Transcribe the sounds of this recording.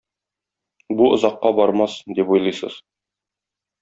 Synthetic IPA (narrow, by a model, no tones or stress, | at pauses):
buŏzɑqːɑbɒɾmɑsd̪ipujlˠɤjsɤ̰z